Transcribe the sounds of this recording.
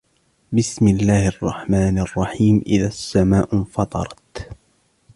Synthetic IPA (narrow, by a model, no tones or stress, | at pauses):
bɪsmɪlːaːhɑrˤːɑħmaːnɑrˤːɑħiːmʔɪ̰ðasːamaːʔfɑt̪ˤɑ̰ɾˤɑt̪